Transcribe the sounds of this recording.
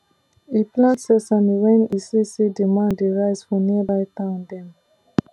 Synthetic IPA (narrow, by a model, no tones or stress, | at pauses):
iplãntsɛsãnwɛ̃nisisedimãndeɹaɪsfɔniəbaɪtãʊ̃ndɛ̃m